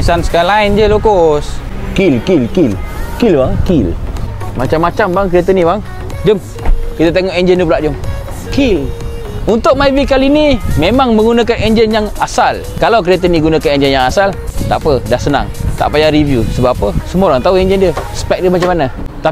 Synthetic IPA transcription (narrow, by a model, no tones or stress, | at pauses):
sansə̥kaalaind͡ʒəlokoskilkilkilkilbaŋkilmat͡ʃamːat͡ʃambaŋkɾiat̪ənibaŋ | d͡ʒəm | kit̪at̪̬eŋɔʔɛɲd͡ʒəndiəpulaʔd͡ʒʊŋ | kil | unt̪ʊʔ̚mavikalinimemaŋmə̃ŋɡunakanɛɲd͡ʒənjaŋasal | kalawk̬ɾiat̪əniɡunakanɛɲd͡ʒənjaŋasalt̪aʔpədahsəna̰ŋt̪a̰ʔpajaɾivjusəbapapəsəmuoɾaŋt̪auɛɲd͡ʒəndiəsə̥pɛk̚dəmat͡ʃamanat̪a